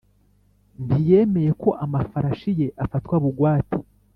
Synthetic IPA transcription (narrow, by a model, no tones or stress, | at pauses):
mbije̞me̞je̞ko̞ʔamafaɾaʃije̞ʔafatwaβuɡwaːti̥